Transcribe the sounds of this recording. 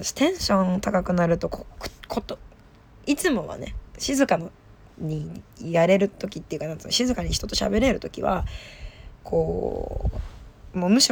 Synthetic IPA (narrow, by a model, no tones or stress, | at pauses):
st̪ẽ̞ɰ̃ɕõ̞ɴt̪akakɯ̟naɾɯ̟t̪o̞kokkʰot̪o | it͡sɨmo̞βa̰ne̞̰ɕizɨkano | ɲ̟ijaɾe̞ɾɯ̟t̪o̞kʲit̪ːeiɯ̟kanãt͡sɨnaɕizɨkaɲ̟içi̥t̪o̞t̪o̞ɕa̰be̞ɾe̞ɾɯ̟t̪o̞kʲiβa̰ | kʰo̞ː | momɯ̟ɕi